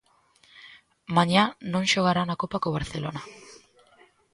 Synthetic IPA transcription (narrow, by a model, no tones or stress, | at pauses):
maɲanõŋʃoɣ̞aɾanakopakoβ̞aɾθelona